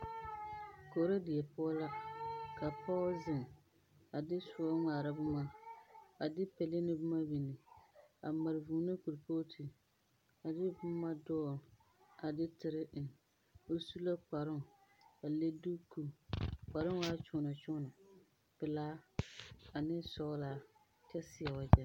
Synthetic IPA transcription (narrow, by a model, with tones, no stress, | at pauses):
koː˨ɾa˦dɪ˨jɛ˨pʊ˦la˦ka˨pa˦zɪ˨m | a˨dɪ˦su˦a˦ŋaː˨ɾa˦bʊ˦ma˦ | a˨dɪ˦pɛ˨le˦nɪ˦bʊ˦ma˦bi˨nɪ˨a˨ma˨ɾɪ˨vuː˨nɨ˦ku˨ɾpo˦tʰi˨ | a˨dɪ˦bʊ˦ma˦dɔː˦˨ | a˨dɪ˦tɪ˨ɾɪ˦ʔɪ˨n | o˦su˦la˦k͡pa˨ɾʊ˦ŋ˨a˨le˦du˦ku˦k͡pa˨ɾɪ˦ŋ˦waː˦t͡ʃʊ˦nɔ˨t͡ʃʊ˦nɔ˨ | pɪ˨laː˦ | a˨nɪ˦sɔ˦laː˦ | t͡ʃɛ˦sɪ˨a˨wa˨d͡ʒɛ˨˦